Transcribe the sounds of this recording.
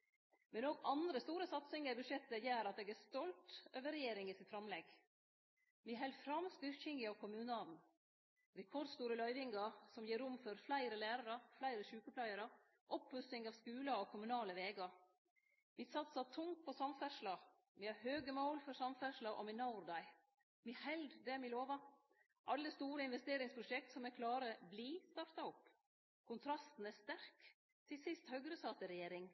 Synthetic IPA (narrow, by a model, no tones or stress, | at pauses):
mɛnoːɡɑnd̪ɾəst̪uːɾəsɑt̪sɪŋəbʉʂjɛt̪ːəjæːɾɑt̪̚d̪eːɡæst̪ɔlt̪øːʋəɾɛjeːɾɪŋɪsɪt̪fɾɑmlɛɡ | mɪɦɛlfɾɑmst̪ʏɾçɪŋɪɑʋkʰʊmʉːnɑd̪n̩ | ɾɛkʰɔɾd̪st̪uːɾəlœʏʋɪŋɡɑsɔmjiːɾʊmfɔɾflæɪɾəlæːɾɑɾəflæɪɾəʃʉːkəplæɪəɾə | ʔɔphʉsɪŋɑʋskʉːləɔkʰʊmʉnɑːləʋeːɡɑ | misɑt̪sɑt̪ʰʊŋ̚pʰɔsɑmfæʂlɑ | mɪhɑɾhøːɡəmoʊlfɔɾsɑmfæʂlɑʔɔ̰mɪnɑʊɾd̪ɑɪ | mihɛld̪d̪ɛæmɪloːʋɑ | ʔɑlːəst̪uːɾəɪnʋɛst̪eːɾɪŋspʰɾʊʃɛk̚t̪sɔmɛkʰlɑːɾəbliːst̪ɑɾt̪ɑʊpː | kʰʊnt̪ʰɾɑst̪n̩æst̪æɾk | t̪ʰɪsɪst̪hœɡɾəsɑːt̪əɾɛjeːɾɪŋ